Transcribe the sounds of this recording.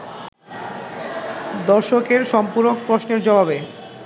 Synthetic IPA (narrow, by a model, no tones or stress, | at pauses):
d̪ɔɾʃokeɾʃɔmpuɾok̚pɾoʃneɾd͡ʑɔbabe